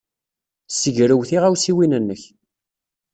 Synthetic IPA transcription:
səʝɾəwθiʁæwsiwinənːəç

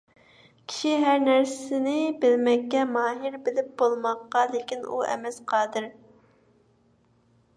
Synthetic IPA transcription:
kʲʰi̥ʃiɦæɾnæɾsɪnɪbɪlmɛkʲːɛmɑːɦiɾbɪlɪp̚bolˠmɑqːɑlˠɪkʲinṵɛ̰mɛsqʰɑːd̪ɨɾ

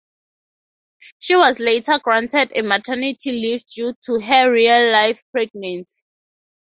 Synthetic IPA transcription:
ʃiwɔzletʰəɡɹãntɛdɛmatʰɛnitʰilifd͡ʒutʰuɦɛɹialːajfpɹɛɡ̚nɛ̃nti̥

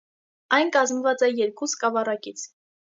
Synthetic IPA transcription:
ɑjnkɑzmvɑt͡sɛjɛɾkuskɑvɑrɑkit͡sʰ

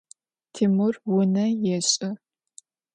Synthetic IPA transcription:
tʰimʊrwʊnɐjɛɕʼɪ

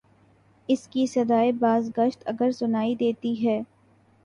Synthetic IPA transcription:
ɪskisɐd̪aːebaːzɡəʃt̪ɐɡəɾsʊnaːid̪eːt̪iɦɛː

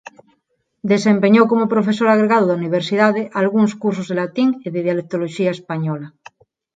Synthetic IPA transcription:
d̪esempeɲowkomopɾofesoɾaɣ̞ɾeɣað̞oðauniβ̞eɾsið̞aðeʔalɣuŋskuɾsozðelat̪iŋeðeðjalek̚t̪oloʃiaespaɲola

